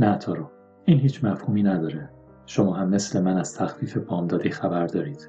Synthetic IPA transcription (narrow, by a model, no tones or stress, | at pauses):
næt̪ʰɒːɾɒ | iːnhiːt͡ʃʰmæfhuːmiːnæd̪ɒːɾe | ʃo̞mɒːɦæmːe̞slemænæz̥t̪ʰæxfiːfe̞bɒːmd̪ɒːd̪iːxæbæɾd̪ɒːɾiːd̪̥